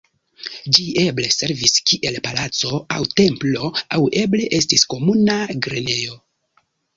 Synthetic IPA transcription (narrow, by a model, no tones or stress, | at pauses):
d͡ʒie̞ble̞se̞ɾviskiʔe̞lpalat͡so̞awte̞mplo̞awʔe̞ble̞ʔe̞stisko̞munaɡɾene̞jo̞